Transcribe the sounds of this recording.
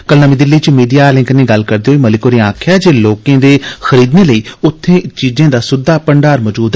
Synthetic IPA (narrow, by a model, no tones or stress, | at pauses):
kəlnəmiːd̪ɪlːiːt͡ʃmiːɖijaːlɪ̃ŋknĩːɡəlkəɾd̪eːɦoiːməlɪkoːɾiãːkʰjaːd͡ʒeːloːkẽːd̪eːxəɾiːd̪neːləiːʊt̪ʰːẽːt͡ʃiːzẽːd̪aːsʊd̪aːpəɳɖaːɾmɔːd͡ʒuːd̪ɛ